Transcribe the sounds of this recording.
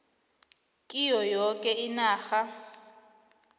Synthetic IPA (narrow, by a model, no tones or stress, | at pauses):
kʼijɔjɔkʼɛinaːxa